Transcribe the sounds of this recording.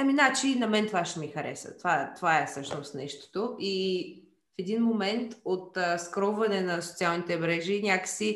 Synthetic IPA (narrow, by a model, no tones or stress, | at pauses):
ɐminat͡ʃinɐmɛnt̪ovaʃɛmixɐɾɛ̰sə̰t̪ovat̪ovaɛfsɤʃnost̪nɛʃt̪o̥t̪oʔi | fɛd̪inmomɛnt̪ot̪ːskɾɔwvɐnɛnɐso̥t̪sialˠnit̪ɛmɾɛʒinʲakə̥si